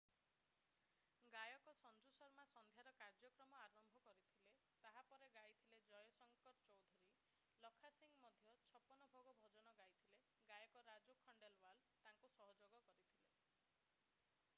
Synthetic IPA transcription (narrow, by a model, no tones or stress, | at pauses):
ɡajɔkɔsɔnd͡ʒusɔɾmasɔnd̪ʱjaɾɔkaɾd͡ʒɔkɾɔmɔaɾɔmbʱɔkɔɾit̪ʰile | t̪aɦapɔɾeɡajt̪ʰiled͡ʒɔjɔsɔŋkɔɾt͡ʃɔwd̪ʱuɾi | lɔkʰasiŋɡmɔd̪ʱjɔt͡ʃʰɔpɔnɔbʱoɡɔbʱɔd͡ʒɔnɔɡajt̪ʰile | ɡajɔkɔɾad͡ʒokʰɔɳɖelwal | t̪aŋkusɔɦɔd͡ʒoɡɔkɔɾit̪ʰile